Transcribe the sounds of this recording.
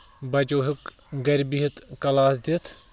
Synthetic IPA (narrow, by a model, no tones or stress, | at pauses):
bɐd͡ʒoːɦɪk | ɡɐɾbiɦɪt̪kɐlaːsd̪it̪ʰ